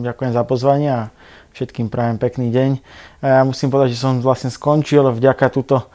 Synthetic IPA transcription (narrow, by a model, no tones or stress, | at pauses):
ɟakujɛmzapɔzʋaɲɪɛa | fʃɛt̪kiːmpɾaːʋɛmpɛkniːɟɛɲajaːmusiːmpɔd̪aɟʒɛsɔmʋlasɲɛskɔnt͡ʃilvɟakat̪uːt̪ɔ